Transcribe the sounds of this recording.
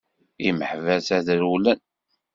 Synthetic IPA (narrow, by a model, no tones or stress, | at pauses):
iməħvæsæðɾulæn